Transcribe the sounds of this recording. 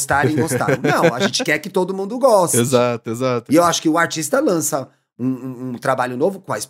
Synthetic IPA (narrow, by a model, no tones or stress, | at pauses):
st̪aɾĩmost̪ã̰nɐ̃w̃aʒẽnt͡ʃɪkɛɾkɪt̪od̪ʊmũnd̪ʊɡɔst͡ʃezat̪ʊezat̪ʊɪewaʃʊ̥kɪʊaɾt͡ʃist̪ɐlɐ̃sɐ | ũũt̪ɾabaʎʊnovʊkõɐɪs